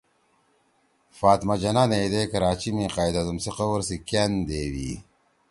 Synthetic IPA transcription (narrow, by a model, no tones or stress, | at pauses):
faːt̪mad͡ʑɐnanejd̪ekɐɾaːt͡ɕimĩqaːjd̪ɐzumsiqɐwɐɾsikend̪eːwḭ